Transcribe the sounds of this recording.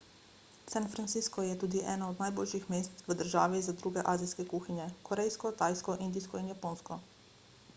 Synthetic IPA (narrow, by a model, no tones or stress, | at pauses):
sanfɾant̪siskɔjɛt̪uːd̪iʔɛ̰ːnɔɔd̪najboːlʃixmeːst̪ʋəd̪əɾʒaːʋizad̪ɾuɡɛʔaːziskɛkuːxinjɛkɔɾɛjskɔt̪aːjskɔʔind̪iskɔinjapoːnskɔ